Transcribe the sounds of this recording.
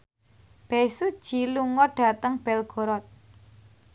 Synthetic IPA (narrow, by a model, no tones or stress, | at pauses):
b̥ɛsud̥ʒ̥iluŋɔɖ̥a̤t̪əŋb̥ɛlɡ̥o̤ɾɔt̪̚